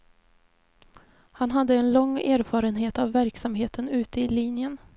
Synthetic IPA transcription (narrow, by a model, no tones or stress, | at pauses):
hanɦad̪ːəɛnlɔŋːæːɾfɑːɾənɦeːt̪avːæɾksamɦeːt̪ʰənʉ̟ːt̪əɪliːnjən